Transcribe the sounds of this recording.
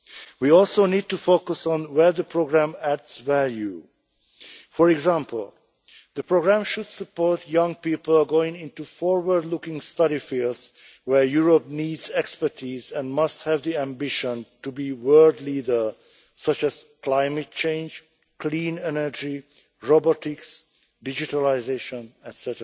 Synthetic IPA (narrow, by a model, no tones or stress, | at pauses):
wiɔlˠsoʊnid̚tufokusɔ̃nwɛ˞ðəpʰɹoɡɹæ̃mædsvælju | fɔɹɛɡzæ̃mpl̩ˠ | ðəpɹoɡɹæ̃mʃudsəpɔɹtʰjʌ̃ŋpiːpl̩ˠɡoɪ̃ŋɪ̃ntufɔɹwə˞dlʊkɪ̃ŋstʌɾifilˠdz | wɛ˞juɹop̚niːdzɛkspə˞tʰizɛ̃ndmʌsthɛvd̪iæ̃mbɪʃə̃ntubiwɜldliːdə˞ | sʌt͡ʃɛz̥klaɪmɛt̚t͡ʃẽɪ̃nd͡ʒ | klĩːnɛnə˞d͡ʒi | ɹɔbɔtɪks | dɪd͡ʒitaliɪzeʃə̃nɛtsɛtə